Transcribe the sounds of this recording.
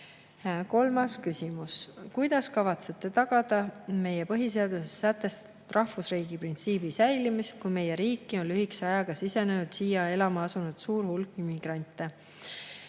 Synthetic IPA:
ko̞lmɑskysʲimuskujd̪̥ɑskɑvɑt̪se̞t̪ːˑe̞t̪ɑɡ̥ɑd̪̥ɑme̞jepɤɦis̬e̞ɑd̪̥usesːæt̪ːˑe̞st̪ɑ̥t̪ːud̪̥rɑhvusriːɡ̥iprint̪siːb̥isæjlimist̪̚kujme̞jeɾiːkːˑio̞nlːyhikseɑjɑɡ̥ɑsise̞nenud̪̥siːjɑe̞lɑmɑɑsunud̪̥suːɾhulkˑːimiɡ̥rɑnʲt̪ːˑe

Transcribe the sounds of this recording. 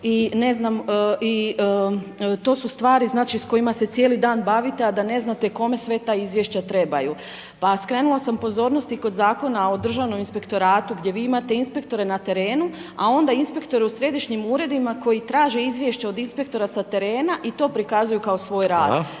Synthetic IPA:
ine̞znaməi | t̪o̞ːsust̪ʋaːɾiznaːt͡ʃisko̞jimase̞t̪sje̞ːlid̪aːnbaʋit̪e̞ad̪ane̞znat̪e̞ko̞me̞sʋe̞t̪aizʋje̞ʃt͡ɕat̪ɾe̞baju | paskɾe̞nulˠasampo̞zo̞ːɾno̞st̪iko̞d̪zaːko̞nao̞d̪r̩ʒaʋno̞minspe̞kt̪o̞ɾaːt̪uɡd̪ʲje̞ʋiːimat̪e̞inspe̞k̚t̪o̞ɾe̞nat̪e̞ɾe̞ːnuao̞nd̪ainspekt̪o̞ɾeusɾe̞d̪iʃɲimuːɾe̞d̪imako̞jit̪ɾaːʒe̞izʋje̞ʃt͡ɕao̞d̪inspe̞k̚t̪o̞ɾasat̪e̞ɾe̞ːnaʔit̪o̞ːpɾikazujukao̞sʋo̞ːjɾaːd̪

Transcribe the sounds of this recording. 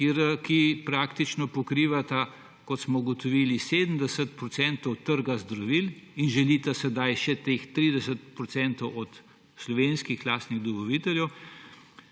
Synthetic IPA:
kiɾkipɾaːkt̪it͡ʃnɔpɔkɾiːʋat̪a | kɔt̪smɔɡot̪ɔʋiːlised̪m̩d̪ɛsət̪̚pɾɔsɛnt̪ɔwt̪əɾɡazd̪ɾɔʋilinʒɛlit̪asɛd̪ajʃɛt̪ext̪ɾiːd̪ɛsət̪pɾɔt̪sɛnt̪ɔwɔt̪ | slɔʋeːnskixlaːst̪niɣd̪ɔʋɔliːt̪ɛljɛw

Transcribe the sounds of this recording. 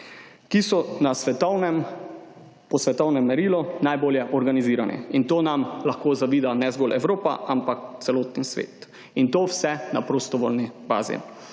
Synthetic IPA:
kisɔnasʋɛt̪ɔnɛm | pɔsʋɛt̪ɔwnɛmːɛɾiːlɔnajboːljɛʔɔɾɡaniziːɾanʔɛ̰int̪oːnamlaxkoːzaʋiːd̪anɛzɡoːlʔɛwɾoːpa̰ʔampakt̪sɛloːt̪nisʋḛːt̪ | int̪oːwsɛnapɾoːst̪ɔʋoːlniba̰ːzḭ

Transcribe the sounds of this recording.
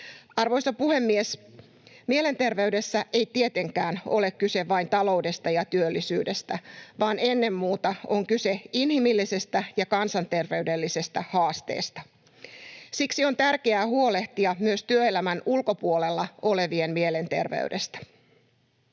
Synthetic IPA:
ɑrʋojsɑpuhe̞mːies | miele̞nt̪e̞rʋe̞yde̞sːæʔe̞jt̪iet̪e̞ŋkæːno̞̰le̞kkyse̞ʋɑint̪ɑlo̞uwde̞st̪ɑjɑt̪yølːisyːdest̪æʋɑːnenːe̞mːuːt̪ɑoŋkyse̞inhimilːise̞st̪æjɑkɑnsɑnt̪e̞rʋe̞yde̞lːise̞st̪æhɑːst̪ḛːst̪ɑ̥ | siksio̞nt̪ærkeæːhuo̞le̞ht̪iɑmyøst̪yøelæmænulko̞puo̞le̞lːɑo̞le̞ʋiemmie̞le̞nt̪e̞̰rʋḛyde̞st̪æ̥

